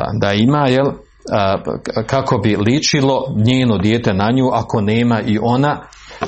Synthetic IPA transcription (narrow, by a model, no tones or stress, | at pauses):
d̪aimaːjel | kako̞bilit͡ʃilo̞ɲeːno̞d̪jeːt̪e̞naɲuːʔako̞neːmaʔiʔo̞na